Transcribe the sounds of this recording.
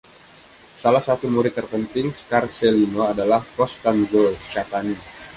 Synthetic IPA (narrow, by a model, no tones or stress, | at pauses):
salahsat̪umuɾit̪ərpənt̪ɪŋskarselinoadalahpɔst̪andot͡ʃat̪ani